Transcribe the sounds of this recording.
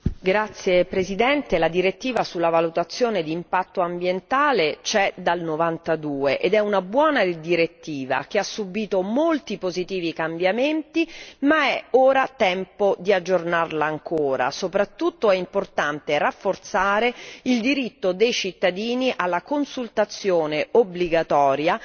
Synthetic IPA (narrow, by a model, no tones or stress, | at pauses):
ɡɾat̪sːjepɾezid̪ɛnt̪elad̪iɾet̪ːiːvasulːavalut̪at̪sːjoːned̪iːmpat̪ːoambjent̪aːlet͡ʃɛd̪alnovant̪ad̪uːeʔed̪ɛunabwɔːnad̪iɾet̪ːiːva̰k̟easːubiːt̪omolt̪ipozit̪iːvikambjament̪imaɛoːɾat̪ɛmpod̪iad͡ʒːornarlaːŋkoːɾa̰sopɾat̪ːut̪ːoɛimport̪ant̪erafːort̪saːɾeild̪iɾit̪ːod̪ejt͡ʃit̪ːad̪iːniʔalːakonsult̪at̪sːjoːneobliɡat̪ɔːɾja